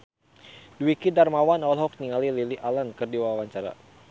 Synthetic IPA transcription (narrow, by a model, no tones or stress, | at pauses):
duwikidarmawanɔlɦɔk̚niŋalililiʔalankɨrdiwawaɲt͡ʃaɾa̰